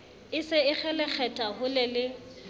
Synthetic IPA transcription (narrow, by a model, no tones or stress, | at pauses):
ɪsɪɪk͡xʰɛlɛk͡xʰɛtʼahʊlɪlɪ